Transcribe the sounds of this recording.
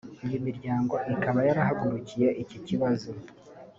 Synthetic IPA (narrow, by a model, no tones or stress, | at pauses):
ijomiɾɟaːŋɡo̞ʔikaβajaɾahaɡuɾucije̞ʔiciciβazo